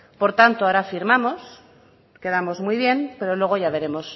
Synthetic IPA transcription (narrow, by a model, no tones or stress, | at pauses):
po̞ɾt̪ant̪oaoɾafiɾmamo̞s | ke̞ð̞amo̞zmujβje̞npe̞ɾo̞lwe̞ɣ̞o̞ʝaβ̞e̞ɾe̞mo̞s